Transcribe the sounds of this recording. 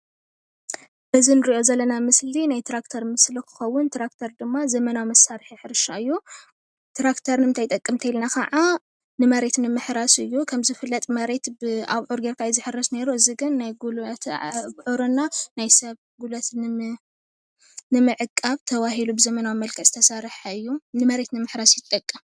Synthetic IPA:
bɨzinɨɾiʔo̞zɐlːɐnamɨslinajt̪ʰɾakt̪ʰɐɾmɨslikʰɨ̥xɐwːʊnt̪ɾakt̪ʰɐɾd̪ɨmːazɐmɐnawimɐsːaɾħiħɨɾɨʃaɨjːu | t̪ʰɾakt̪ʰɐɾnmɨnt̪ʰajt̪ʼɐkʼːɨmt̪ʰɐjilnakʰɐ̰ʕa | nɨmɐɾe̞t̪nɨmɨħɾasɨjːukʰɐmzɨfɨlːɐt̪ʼmɐɾe̞t̪bɨa̰βʕoɾɡeɾkʰajzɨħɨrːɐsne̞ɾuɨziɡɨnːajɡult̪bʕoɾonːanajsɐβ | ɡulɐt̪ | nɨmɨʕɨkʼːaβt̪ʰɐβahilubɨzɐmɐnawimɐlkʰɐsʼt̪ʰɐsaɾħaɨjːunɨmɐɾe̞t̪nɨmɨħɾasjɪt̪ʼɐkʼːɐm

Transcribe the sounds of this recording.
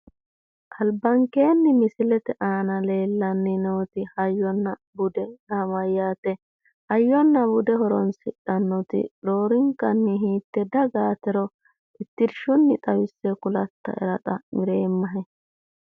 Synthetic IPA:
ʔɐlbɐŋke̞ːnːɪmɪsɪlɛt̪ɛʔaːnɐle̞ːlːɐnːɪnoːt̪ɪhɐjːɔnːɐbʊd̪ɛnaːmɐjːaːt̪ɛ | hɐjːɔnːɐbʊd̪ɛɦɔɾɔnsɪᶑːɐnːɔt̪ɪ̰ɾo̞ːɾɪŋkːɐnːɪɦiːt̪ːɛd̪ɐɡaːt̪ɛɾɔ | ɪt̪ːɪɾʃʊnːɪt̪ʼɐwɪsːɛkʊlɐt̪ːɐ̰ʔɛ̰ɾɐt̪ʼɐmɪɾe̞ːmːɐɦɛ

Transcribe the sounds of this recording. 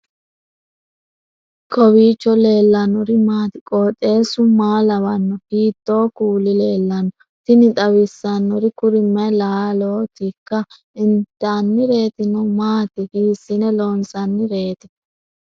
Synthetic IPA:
kʰɔwiːt͡ʃːɔle̞ːlːɐnɔɾɪmaːt̪ɪkʼoːt̪ʼːe̞ːsʊmaːlɐwɐnːɔhiːt̪ːo̞ːkuːlɪle̞ːlːɐnːɔ | t̪ɪnɪt̪ɐwɪsːɐnːɔɾɪkʊɾɪmːɐjlaːloːt̪ɪkːɐ | ɪnt̪ːaːnːɪɾe̞ːt̪ɪnɔmaːt̪ɪhiːsːɪnɛloːnsɐnːɪɾe̞ːt̪ɪ

